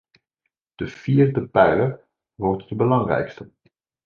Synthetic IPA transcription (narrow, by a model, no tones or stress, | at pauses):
d̥əv̥iːrdəpɛjlər | ʋɔɹtdəbəlɑŋrɛ̰jkstə